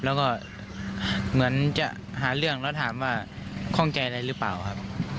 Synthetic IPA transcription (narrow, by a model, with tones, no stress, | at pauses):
lɛː˦˧˥wkɔː˧˥˩ | mɯ˩˦ənt͡ɕa̰˨˧ʔ | ɦaː˩˦lɯ˥˩əŋlɛː˦˥˩t̪ʰaː˩˦mwaː˥˩kʰɔ˧˥˩ŋt͡ɕa˧jʔa˧ɾa˧jɾɯː˦˥paː˨˩wkʰa˦˥p̚